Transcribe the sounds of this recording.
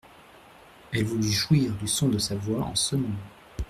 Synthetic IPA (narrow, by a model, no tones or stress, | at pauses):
ɛlvulyʒwiʁd̪ysɔ̃d̪əsavwaɑ̰̃səmɔ̃